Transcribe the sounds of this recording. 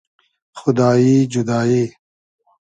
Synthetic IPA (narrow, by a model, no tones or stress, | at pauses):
xʊd̪aːiːd͡ʒud̪aːiː